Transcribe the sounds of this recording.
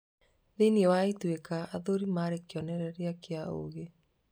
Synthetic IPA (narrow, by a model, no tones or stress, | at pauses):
ðeniɛwaitwekaʔaðoɾimaɾekjɔneɾɛɾeakeao̰ɣe